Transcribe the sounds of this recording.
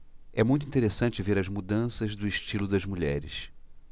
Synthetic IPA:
ɛmũj̃t̪uĩt̪eɾesɐ̃nt͡ʃɪveɾɐzmud̪ɐ̃sɐzd̪ʊɪʃt͡ʃilʊd̪ɐzmuʎɛ̰ɾɪ̰s

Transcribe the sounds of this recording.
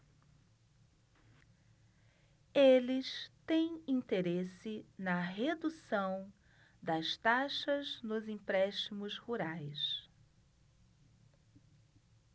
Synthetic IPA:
elɪst̪ẽj̃ĩnt̪eɾesɪnɐɦed̪usɐ̃w̃ | d̪ɐst̪aʃɐznʊzĩpɾɛʃtimʊzhuɾajs

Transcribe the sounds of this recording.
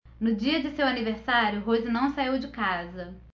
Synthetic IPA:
nʊd͡ʒiɐd͡ʒɪsewaniveɾsaɾjʊɦozɪnɐ̃w̃saiwd͡ʒɪkazɐ

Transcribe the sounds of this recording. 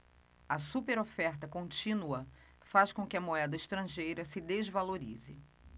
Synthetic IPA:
ɐsupeɾofɛɾt̪ɐkõnt͡ʃĩnuɐ | faskõkɪɐmoɛd̪ɐɪʃt̪ɾɐ̃ʒejɾɐsɪd̪ezvaloɾḭzɪ̰

